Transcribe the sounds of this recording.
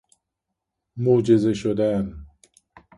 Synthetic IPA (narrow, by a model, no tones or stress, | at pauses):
moːd͡ʒezeʃod̪æn